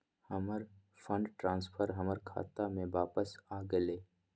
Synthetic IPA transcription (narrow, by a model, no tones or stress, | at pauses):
həməɾfʰə̃ɳɖʈɾãːnspʰəɾɦəməɾkʰa̰ːt̪amẽʋaːpəsaːɡəleː